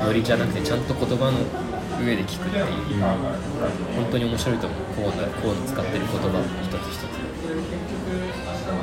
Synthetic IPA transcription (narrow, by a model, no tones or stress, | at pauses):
jo̞ɾʲiʑanakɯ̟t̪e̞t͡ɕãnt̪o̞ko̞t̪o̞bano̞ | ɯ̟e̞d̪e̞kʲi̥kɯt̪ːai | hõnt̪o̞ɲ̟io̞mo̞ɕiɾo̞it̪omokoːnakʰoːnot͡sɨ̥kat̪ːe̞ɾɯ̟ko̞t̪o̞baçi̥t̪ot͡sɨ̥ɕi̥t̪ot͡sɨ̥ | oekʲːokɯ